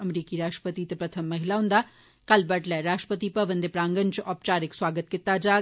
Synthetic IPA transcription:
ɐmɾiːkiɾaːʃʈəpət̪it̪epɾɐt̪ʰəmːɐɦɪlaɦʊ̃nd̪aː | kɐlbɐʈlɛːɾaːʃʈəpət̪ipɐʋɐ̃nd̪epɾãːŋɡənt͡ʃʔɔːp̚t͡ʃaːɾɪkswaːɡət̪̚kɪt̪ːad͡ʒaː

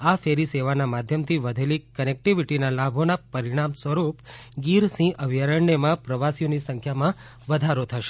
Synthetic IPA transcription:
afeɾiseʋanamad̪ʱjəmt̪ʰiʋəd̪ʱelikənek̚ʈiʋiʈinalabʱonapəɾiɽ̃amsʋəɾupɡiɾsĩʔəʋijaɾəɳːemãpɾəʋasijonisə̃ŋkʰjamã | ʋəd̪ʱaɾot̪ʰəʃe̥

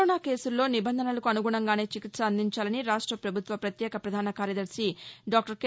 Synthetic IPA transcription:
naːke̞ːsulːo̞ːnibɐnd̪ʱɐnɐlɐkuɐnuɡuɳɐŋɡaːne̞ːt͡ʃikit̪sɐːnd̪ʱiɲt͡ʃaːlɐniɾaːʂʈɾɐpɾɐbʱut̪ʋɐpɾɐt̪jɛːkɐpɾɐd̪ʱaːnɐkaːɾjɐd̪ɐɾsiɖaːk̚ʈɐɾk

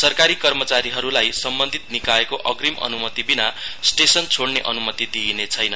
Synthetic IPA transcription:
sʌrkaɾikʌrmʌt͡saɾiɦʌɾulajsʌmbʌnd̪ʱit̪̚nikaekoʔʌɡrimʌ̰numʌt̪ibinasʈesʌnt͡sʰoɽneʔʌnumʌt̪id̪inet͡sʰʌjnʌn

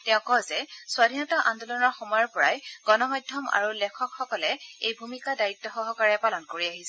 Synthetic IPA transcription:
tɛʊ̃kɔzɛswadʱinɔtaʔandɔlɔnɔɹxɔmɔjɔɹpɔɹajɡ̥ɔnɔmɔjdʱːɔma̰ɹulɛkʰɔkxɔkɔlɛejbʱumikadaɹitːɔxɔɦɔkaɹɛpalɔnkoɹiaɦisɛ

